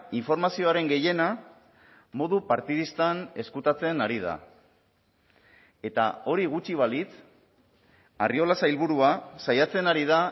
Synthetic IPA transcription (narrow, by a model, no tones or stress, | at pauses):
iɱfo̞ɾmasio̞aɾe̞ŋɡe̞je̞na | mo̞ðupaɾt̪iðist̪ane̞skut̪at͡se̞naɾið̞a̰ | e̞t̪a̰o̞ɾiɣut͡ʃiβ̞alit͡s | a̰rio̞lasailβuɾuasajat͡se̞naɾið̞a